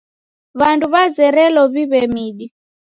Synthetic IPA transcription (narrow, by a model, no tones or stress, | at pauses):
βanduβazɛɾɛlɔβiβɛmiɗi